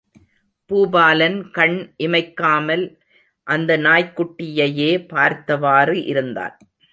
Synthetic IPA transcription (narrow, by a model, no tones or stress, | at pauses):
puːbaːlɐnkɐɳʔɪmɐɪkːaːmɐl | ʔɐnd̪ɐnaːjkːʊʈːɪjɐjeːpaːɾt̪ɐʋaːrɯʔɪ̰ɾɯnd̪a̰ːɾ